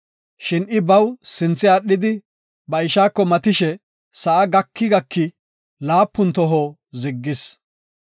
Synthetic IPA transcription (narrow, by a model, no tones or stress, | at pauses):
ʃɪnɪbɐwsɪnt͡sːɪaɗːɪd̪ɪ | bɐɪʃaːkːɔmɐt̪ɪʃɛ | sɐʔɐɡɐkːɪɡɐkːɪ | laːpːʊnt̪ɔɦoː | zɪɡːɪs